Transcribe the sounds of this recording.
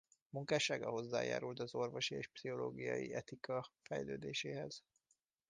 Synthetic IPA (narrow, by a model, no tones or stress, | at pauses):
muŋkaːʃaːɡɒɦo̞zːa̰ːja̰ːɾult̪ɒzo̞rvo̞ʃieːʃpsiɦo̞loːɡijɒ̰jiɛt̪ikɒfɛjløːd̪eːʃeːɦɛz̥